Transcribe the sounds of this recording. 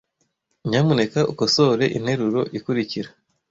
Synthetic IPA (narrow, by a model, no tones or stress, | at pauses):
ɲamune̞kaʔukosoɾe̞ʔin̥he̞ɾuɾo̞ʔikuɾiciɾa